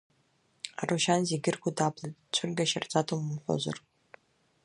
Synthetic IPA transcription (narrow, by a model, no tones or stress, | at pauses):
a̰ruʃanzeɡʲɪrkʷʊdapʰlatt͡ɕʷʰɨrɡʲaʃart͡sʼatʰumɨmħʷᶣo̰za̰r